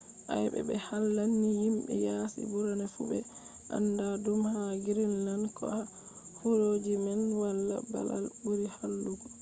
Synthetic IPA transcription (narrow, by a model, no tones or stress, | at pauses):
ʔa̰jbɛ̰bɛhalːanːijimɓɛ̰jaːsḭbuɾanafṵbɛʔa̰ndadumhaɡiɾinːankɔ̰a | fuɾod͡ʒimɛnwalːa̰ba̰la̰lbuɾihalːuɡ